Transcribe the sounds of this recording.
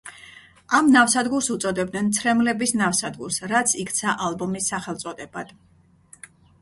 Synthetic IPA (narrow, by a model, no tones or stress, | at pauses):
amnafsad̪ɡuɾsut̪sʼɔd̪ɛbd̪nɛnt̪sʰɾɛmlɛbisnafsad̪ɡuɾsɾat̪sʰikʰt̪sʰaʔalˠbɔmisːaχɛlˠt̪sʼɔd̪ɛbad̪̥